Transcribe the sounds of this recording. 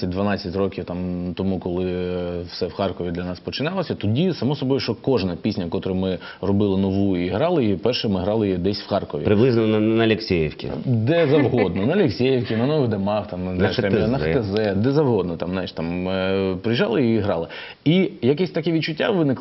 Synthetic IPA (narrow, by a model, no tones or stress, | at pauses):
ɐt̚ʲd̪ʋɐnɑt͡sʲːɐtʲrɔkʲiwt̪ɑmt̪ɔmukɔlˠɪwsɛwxɑrkɔʋʲid̪lʲɐnɑspɔt͡ʃɪnɑlˠɔsʲɐt̪ɔdʲisɐmɔsɔbɔjʊʃt͡ʃɔkɔʒnɐpʲisʲnʲɐkɔt̪ɾɪmɪ | rɔbɪlˠɪnɔʋujʊiɦɾɑlˠɪjipɛrʃɛmɪɦɾɑlˠɪjid̪ɛsʲwxɑrkɔʋʲḭpɾɪblˠɪznɔnɐɐlʲeksʲɛjiwkʲḭd̪ɛzɐwɦɔd̪nɔnɐlʲeksʲɛjiwkʲinɐnɔʋɪɣd̪ɐmɑxt̪ɑmɐnjʃt̪ɛmnɐxt̪ezɛd̪ɛzɐwɦɔd̪̚nɔt̪ɑmnajiʃt̪ɑmpɾɪjʒɑlˠɪiɦɾɑlˠɪ | ijɐkɛsʲt̪ɐkɛʋʲid̪̚t͡ʃʊtʲːa̰ʋɪnɪk